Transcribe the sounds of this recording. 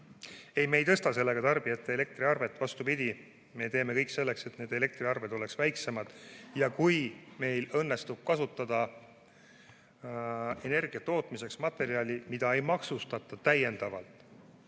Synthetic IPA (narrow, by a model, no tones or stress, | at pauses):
e̞jme̞jt̪ɤst̪ɑse̞lːe̞ɡ̥ɑt̪ɑrb̥iet̪ːe̞le̞k̚t̪riɑrve̞t̪ːvɑst̪upid̪̥ʲi | me̞t̪e̞ːme̞kɤjkse̞lːe̞kse̞t̪ne̞ːd̪e̞le̞k̚t̪riɑrve̞d̪o̞le̞ksvæjkse̞mɑd̪̥jɑkujme̞jlɤnːe̞st̪ub̥̚kɑsut̪ːˑɑd̪̥ɑ | e̞ne̞rɡ̥ijɑt̪o̞ːt̪mise̞ksmɑt̪ːe̞ɾiɑlʲimid̪̥ɑe̞jmɑksust̪ɑt̪ːˑɑt̪æje̞nd̪̥ɑvɑ̰lt̪ˑ